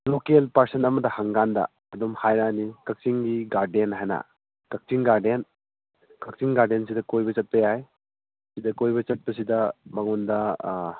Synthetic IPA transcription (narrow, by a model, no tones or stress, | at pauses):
lokelpɐɾsenɐmɐdɐhɐŋɡandɐ̰ːdomhajɾanikɐk̚t͡ʃiŋɡiɡaɾdenɦajnɐ̰ | kɐk̚tiŋɡaɾden | kɐk̚tiŋɡaɾdens̬idɐkojbɐt͡ʃɐt̚pɐjaj | sidɐkojbɐt͡ʃɐt̚pɐs̬idɐmɐŋundɐ